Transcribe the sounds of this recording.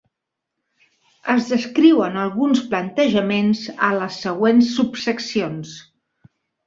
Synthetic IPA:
əzðəskɾiwənəlˠɣunsplənt̪əʒəmenzələsːəɣ̞wensːupsəksions

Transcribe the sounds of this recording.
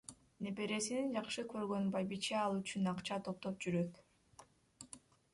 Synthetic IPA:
ne̞pe̞ɾe̞sinind͡ʒɑqʃɯkø̞ɾɡø̞nbɑjbit͡ʃeɑlˠyt͡ʃynɑqt͡ʃɑt̪ʰo̞p̚t̪o̞p̚d͡ʒyɾøt̪

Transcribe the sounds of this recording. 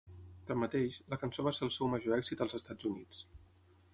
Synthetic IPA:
t̪əmːət̪eʃləkənsoβaseəlˠsɛwməʒoɛɡz̥it̪əlˠzəst̪ad͡zunit͡s

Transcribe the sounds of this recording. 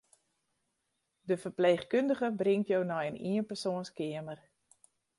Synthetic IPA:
dəfərpleːχkøndəχəbrɪŋtjownɔjənḭənpərsoənskɪəmər

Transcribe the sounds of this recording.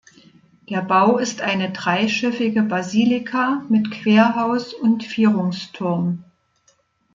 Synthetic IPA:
d̥eːɐbaʊɪstʔaɪnədʁaɪʃɪfɪɡəbaziːlɪkʰamɪtkʰv̥eːɐɦaʊsʊntfyːʁʊŋstʰʊɐm

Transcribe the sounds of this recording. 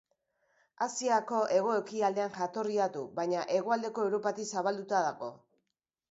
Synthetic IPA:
asiako̞ʔe̞ɣ̞o̞ekiald̪e̞anʝat̪o̞riat̪uβajɲaʔe̞ɣ̞oald̪e̞ko̞ewɾo̞pat̪isaβald̪ut̪aðaɣo̞̰

